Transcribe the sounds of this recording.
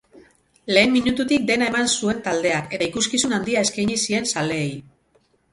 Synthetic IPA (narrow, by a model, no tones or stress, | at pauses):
le̞ːmmiɲut̪ut̪ik̚d̪e̞nae̞mansue̞nt̪ald̪e̞ake̞t̪aikuskisunand̪iae̞skajɲisie̞nsale̞ːj